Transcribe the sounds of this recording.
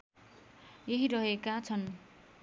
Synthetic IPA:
jeɦiɾʌɦekat͡sʰʌn

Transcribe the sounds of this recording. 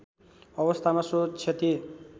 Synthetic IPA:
ʌβʌst̪ʰamasot͡sʰet̪i

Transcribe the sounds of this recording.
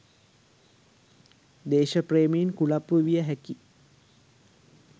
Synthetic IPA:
d̪eːʃəpreːmiinkulapːuʋijəɦæki

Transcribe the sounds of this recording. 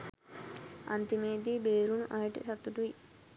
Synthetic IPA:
ɐ̰nt̪imeːd̪ibeːɾunʔaːiʈḭsɐt̪ːuʈui

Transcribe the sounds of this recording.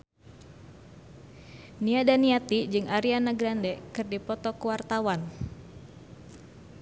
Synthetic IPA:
niadaniat̪id͡ʒɨŋaɾianaɡɾandɛkɨrdipɔt̪ɔkuwart̪awan

